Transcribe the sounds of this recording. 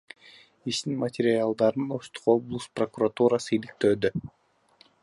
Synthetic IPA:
iʃt̪inmɐtʲɪɾʲɪalˠd̪ɑɾɯnoʃt̪u̥qo̞blˠusprokurat̪uɾasɯilik̚t̪ø̞ːd̪ø

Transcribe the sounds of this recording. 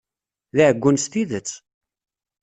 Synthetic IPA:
ðiʕəɡʷːunst̪iðət͡sː

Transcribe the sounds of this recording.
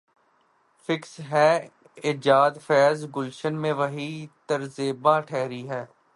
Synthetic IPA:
fɪksɦɛː | ɪd͡ʒaːd̪fɛːzɡʊlʃənmẽʋɐɦiːt̪ɐɾzeːbãːʈʰɛːɾiɦɛː

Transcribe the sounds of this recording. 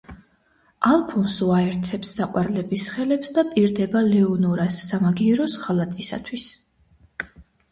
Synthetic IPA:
alˠpʰɔnsuaɛɾt̪ʰɛpsːaqʼwaɾlɛbisχɛlɛpsd̪apʼiɾd̪ɛbalɛɔnɔɾasːamaɡiɛɾɔsʁalˠat̪ʼisa̰t̪ʰwis

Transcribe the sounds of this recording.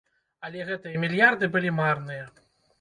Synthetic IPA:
ɐlʲɛɣɛt̪ɨjɐmʲilʲjard̪ɨbɨlʲimarnɨjɐ

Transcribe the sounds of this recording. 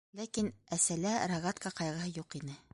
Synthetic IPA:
lækinæsælæɾaɣat̪kɑqɑjʁɤ̆ɦɤjuqinɘ

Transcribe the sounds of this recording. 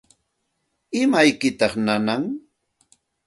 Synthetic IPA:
ɪmajkɪt̪ɑχnanaŋ

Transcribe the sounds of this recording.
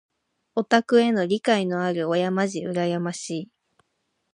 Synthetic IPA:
o̞t̪akɯ̟e̞no̞ɾʲikaino̞aɾɯ̟ojamaʑiɯ̟ɾajamaɕiː

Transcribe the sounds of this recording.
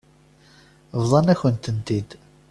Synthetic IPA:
vðˤɑnæçənt̪ənt̪id̪

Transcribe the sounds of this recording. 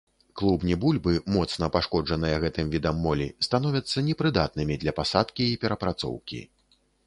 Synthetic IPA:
klˠubnʲɛbulʲbɨmɔt̪snɐpaʂkɔd͡ʐʐɐnɨjɐɣɛt̪ɨmvʲid̪ɐmːɔlʲḭst̪anɔvʲɐt̪sːɐnʲɛpɾɨd̪at̪̚nɨmʲid̪lʲɐpasat̪kʲiːpʲɛɾɐpɾat̪sɔ̰wkʲḭ

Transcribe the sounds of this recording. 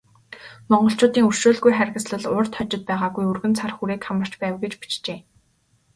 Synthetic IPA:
mɔɴɢɞ̆ɬt͡ɕʊːt̪iːŋɵr̥ʃoːɮɣujχæɾʲɣə̆sɮə̆ɮʊrt̪ʰɔt͡ɕɪ̆t̪̚pæːʁaːɣujurɣɘ̆nt͡sʰarxuɾeːkχamə̆r̥t͡ɕpæːwɡet͡ɕpi̥t͡ɕt͡ɕeː

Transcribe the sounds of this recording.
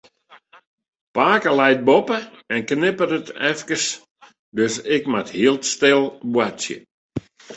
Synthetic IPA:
paːkəlɛjt̚bopə | ɛnknɪpəɾətɛfkəs | døsɪkmathiəlˠtstɪlˠbwasjə̰

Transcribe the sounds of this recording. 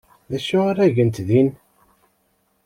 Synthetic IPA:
ðæʃʊaɾæʝənt̪ðin

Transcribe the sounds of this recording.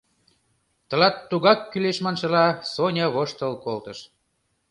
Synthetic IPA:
t̪ɤ̆lɑt̪ːuɣɑkːyleʃmɑnʃɤ̆lɑsonʲɤβoʃt̪əlkolt̪əʃ

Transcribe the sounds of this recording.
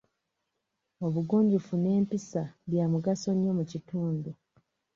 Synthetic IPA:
o̞βuɡuːɲɟufune̞ːmpisaβjaːmuɡaso̞ɲjo̞mucituːndu

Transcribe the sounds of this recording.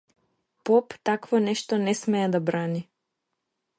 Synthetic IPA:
pɔpt̪akvɔnɛʃt̪ɔnɛsmɛɛd̪abɾani

